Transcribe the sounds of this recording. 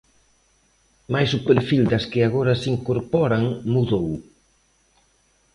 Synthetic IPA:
majsʊpeɾfild̪ɐskɪaɣ̞oɾɐsiŋkoɾpɔɾaŋmuðow

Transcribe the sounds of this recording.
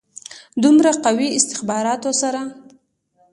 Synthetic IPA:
d̪umɾaqawiɪst̪ɪxbɑɾɑt̪osaɾa

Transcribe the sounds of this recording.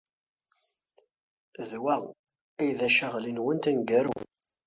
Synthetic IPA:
ðwæ | ijðæʃəʁlinwənt̪ænɡæɾṵ

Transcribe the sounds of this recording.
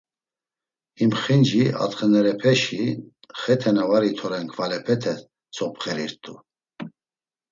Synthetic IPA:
imχind͡ʒia̰t̪χɛnɛɾɛpʰɛʃi | χɛt̪ʰɛnavaɾit̪ʰɔɾɛŋkʰvalɛpʰɛt̪ʰɛ | t͡sʰɔpχɛɾiɾt̪ʼu

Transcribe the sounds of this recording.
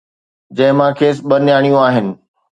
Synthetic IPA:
d͡ʑɐ̃ɦɪ̃mãːkʰeːsɓɐnjaːɽ̃ijũaːɦɪnɪ̆

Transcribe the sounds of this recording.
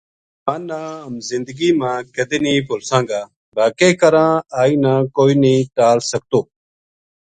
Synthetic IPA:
ãːnãːəmzɪ̃nd̪əɡiːmãːkəd̪eːniːpʊlsãːŋɡaː | baːkeːkəɾãːaːiːnãːkoːiːniːʈaːlsək̚t̪oː

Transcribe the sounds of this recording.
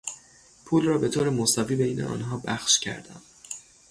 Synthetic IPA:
pʰuːlrɒːbe̞t̪ʰoːɾemosɒviːbejnʔeʔɒ̰ːnɦɒːbæxʃcʰæ̰ɾd̪æ̰m

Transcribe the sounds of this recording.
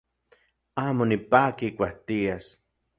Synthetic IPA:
aːmonipaːkikʷaht̪ias

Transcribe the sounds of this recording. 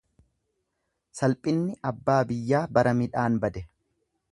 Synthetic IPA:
sɐlpʼɪnːɪʔɐbːaːbɪjːaːbɐɾɐmɪᶑaːnbɐd̪ɛ

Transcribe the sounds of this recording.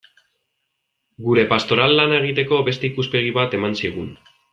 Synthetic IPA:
ɡuɾe̞past̪o̞ɾalːanae̞ɣ̞it̪e̞ko̞βe̞st̪e̞ikuspe̞ɣ̞iβat̪e̞mansiɣ̞un

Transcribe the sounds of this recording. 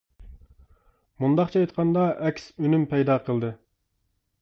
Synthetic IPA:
mund̪ɑqt͡ʃʰɛɑjt̪qʰɑnd̪ɑʔɛkʲsynympʰɛjd̪ɑːqʰəlˠd̪ɨ

